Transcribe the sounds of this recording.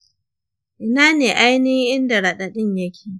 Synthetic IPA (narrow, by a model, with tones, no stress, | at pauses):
ʔɪ˨naː˦neː˨ʔa˦jni˦ʔɪ˦nda˨ɽɐ˨ɗa˨ɗɪ˦ɲjɐ˦kʲʰeː˨